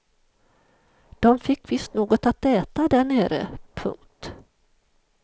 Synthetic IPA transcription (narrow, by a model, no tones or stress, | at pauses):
d̪̥ɔmfɪkːvɪst̪noːɡɔt̪at̪ɛːt̪ad̪æɳeːɾə̰pʰɵ̰ŋt̪